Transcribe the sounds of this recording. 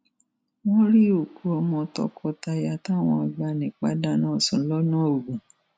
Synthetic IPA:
w̃ɔ̃˦ɾi˦o˨ku˨˦ɔ˧mɔ̃˧tɔ̰˧kʰɔ˧ta˧ja˧˨ta˦˨w̃ɔ̃˧a˧ɡ͡ba˧˨nĩ˨k͡pa˦da˦nãː˦˨sũ˨˦lɔ˦nãː˦o˨ɡũ˨

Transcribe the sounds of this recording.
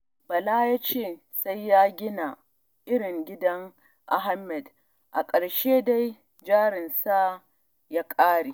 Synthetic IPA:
bɐ˨la˦ja˦t͡ʃeː˦˨ | sa˦jːaː˦ɡʲɪ˦na˨ | ʔɪ˦ɽɪ˨ŋɡʲɪ˦dɐ˦ŋ | ʔa˨ɦa˦mːɛ˨d | ʔa˨kʼɐ˨ɽʃeː˦da˦j | d͡ʒaː˦ɾɪ˨nsa˦ | jaː˦kʼaː˦ɽiː˨

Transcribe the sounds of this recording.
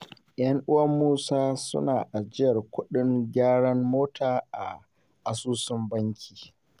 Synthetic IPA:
jɐ˦ŋʔʊ˦wɐ˦mːuː˦saː˦sʊ̰˦naː˨ʔa˨d͡ʒɪ˦jɐ˨rkʷʊ˦ɗɪ˦ŋɡʲaː˦ɽɐ˦mmoː˦tʰaː˨ʔa̰˨ | ʔa˨suː˦sʊ˦mbɐ˦ŋkʲʰiː˨

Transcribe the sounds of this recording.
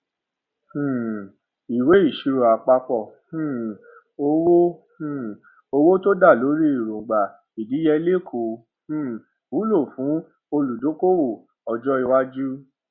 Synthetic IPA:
hũ˦˨ | i˨we˨˦i˦˨ʃi˧ɾo˨a˨k͡pa˧k͡pɔ˦˨hũ˦˨ | o˧wo˦hũ˦˨ | o˧wo˦to˦da˦˨lo˨˦ɾi˦i˦˨ɾõ˨ɡ͡ba˨ | i˨di˨˦jɛ˧˦le˦˨kʰo˨˧˨ | hũ˦˨ | u˨˦lo˦˨fũ˨˦ | o˧lu˨dõ˨˦ko˦wo˦˨ | ɔ˨d͡ʒɔ˦i˦˧˨wa˦d͡ʒu˦

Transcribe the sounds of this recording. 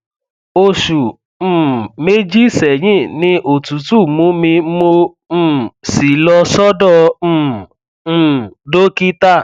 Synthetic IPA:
o˧ʃũ˨˦˨ | me˦d͡ʒi˦sɛ˨j̃ĩ˦˨nĩ˧ʔo˨tu˨˦tu˦˨mũ˨˦mĩ˧˦mõ˧˦˨ | si˨lɔ˧sɔ˦dɔ̃˦˨˦ | do˦ki˦ta˦˨

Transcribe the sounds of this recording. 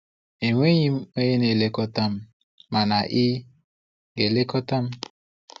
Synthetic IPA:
e˨ŋʷe˦ɲi˦m̩˦e˦je˦ne˨le˦kɔ˦ta˦m̩˦ | ma˨na˨ʔi˦ | ɡe˨le˦kɔ˦ta˦m̩˦

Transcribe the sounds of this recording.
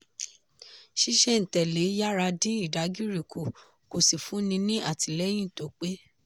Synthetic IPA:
ʃi˦ʃɛ˦n̩˨tɛ˨le˨˦ja˦ɾa˧dĩ˦i˦˨da˨˦ɡi˦ɾi˨kʰo˨ | ko˨si˨fũ˨˦nĩ˧nĩ˦ʔa˦˨ti˨lɛ˦j̃ĩ˦˨to˨˦k͡pe˦

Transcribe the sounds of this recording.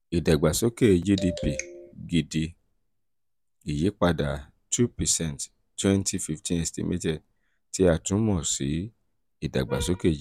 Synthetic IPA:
i˨da˨ɡ͡ba˨so˨˦ke˦˧d͡ʒi˦di˧pi˧˨ɡi˧di˧ | i˨je˨˦k͡pa˧da˨ | tʰu˦pɛ˨sɛ̃˦nt | twɛ̃˦ntʰi˧˦fi˧˨ftʰĩ˦ne˧stḭ˦mʔḭ˦tɛ˦˨ | ti˦a˦˨tũ˨˦mɔ̃˦˨si˨˦ | i˦˨da̰˨ɡ͡ba̰˨so˦ke˦˨d͡ʒ

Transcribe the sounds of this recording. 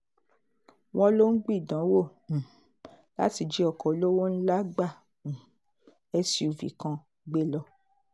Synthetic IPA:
w̃ɔ̃˦lo˦n̩˦ɡ͡bi˦˨dã˨˦wõ˦˨ | la̰˦ti˧d͡ʒɛ˨˦ɔ˧˨kɔ˨o˨˦lo˦wɔ˦n̩˦la˦ɡ͡bã˦˨ | ɛ˧si˧o˨vḭ˨kã˧ | ɡ͡be˦lɔ˧

